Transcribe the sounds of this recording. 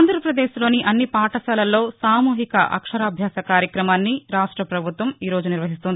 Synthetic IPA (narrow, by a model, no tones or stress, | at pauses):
nd̪ʱɾɐpɾɐd̪eːʃlo̞ːniʔɐnːipaːʈɐsɐːlɐlːo̞ːsaːmuːɦikɐ̰ʔɐ̰kʂɐɾaːbʱjaːsɐkaːɾjɐkɾɐmaːnːiɾaːʂʈɾɐpɾɐbʱut̪ʋɐmiːɾo̞ːd͡ʒuniɾʋɐɦist̪und̪i